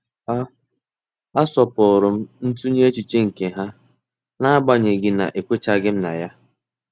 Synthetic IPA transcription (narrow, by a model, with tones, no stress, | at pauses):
a˦ | a˦sɔ˨pʊ˨ɾʊ˨m̩˦n̩˦tu˦ɲe˦t͡ʃi˨t͡ʃe˦ŋ̩˨ke˨ɦa˦ | na˦a˦ɡ͡ba˦ɲe˨ɡɪ˦na̰˨ʔe˨kʷe˦t͡ʃa˦ɡɪ˦m̩˦na̰˨ja˦